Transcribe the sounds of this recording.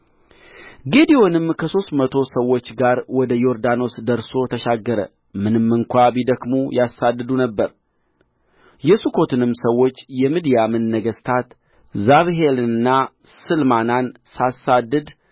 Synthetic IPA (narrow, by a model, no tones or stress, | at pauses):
ɡed̪io̞nɨmkʰəso̞st̪mət̪ʰo̞səwːo̞t͡ʃːɡaɾwɔd̪əjo̞ɾd̪ano̞sd̪əɾso̞t̪ʰəʃaɡːəɾə̰ | mɨnɨmːɨŋkʷabid̪əkmujasad̪ːɨd̪unəbːəɾ | jɛsukʰo̞t̪ʰɨnɨmsəwːo̞t͡ʃːjɛmid̪ijamɨnːəɡəst̪ʰat̪ | zaβɦelɨnːa | sɨlmanansasad̪ːɨd̪